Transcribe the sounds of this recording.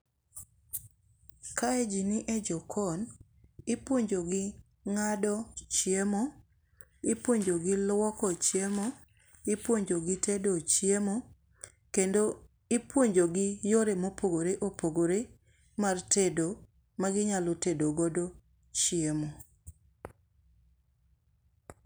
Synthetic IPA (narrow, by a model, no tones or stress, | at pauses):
kaed͡ʒiniʔed͡ʒɔkʰɔn | ɪpwoɲd͡ʒoɡɪ | ŋadɔt͡ʃjemo | ɪpwoɲd͡ʒoɡɪlwɔkɔt͡ʃjemo | ɪpwoɲd͡ʒoɡɪtʰedot͡ʃjemo | kendo | ɪpwoɲd͡ʒoɡɪjoɾemopoɡoɾeʔopoɡoɾe | martedo | maɡɪɲalɔtedoɡɔdo | t͡ʃjemo